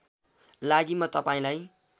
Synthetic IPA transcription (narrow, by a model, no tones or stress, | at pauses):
laɡimʌt̪ʌpaĩlaj